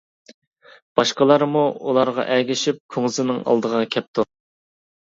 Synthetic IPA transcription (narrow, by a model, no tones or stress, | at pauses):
b̥ɑʃqəlˠɑɾmuulˠɑɾʁɑ̰ʔɛɡʲɪʃip̚kʲʰoŋzɨnɨŋɑ̰lˠd̪əʁɑkʲʰɛp̚t̪ʰu